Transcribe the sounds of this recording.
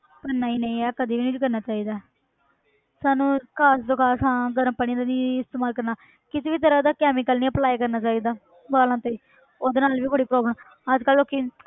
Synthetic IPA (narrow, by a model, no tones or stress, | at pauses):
pənːaːiːnəĩːɛːkəd̪iːʋiːnĩːd͡ʒkəɾnaːt͡ʃaːiːd̪aː | saːnũːkʰaːsd̪okʰaːsãːɡəɾəmpəɽĩd̪aːnĩːɪst̪eːmaːlkəɾnaː | kɪt̪ːʋiːt̪əɾãːd̪aːkɛːmɪkəlnĩːəplaːekəɾnaːt͡ʃaːiːd̪aː | baːlãːt̪eːiː | oːd̪eːnaːlʋiːbəɽiːpɾɔːbləm | əd͡ʒkəlːoːkiː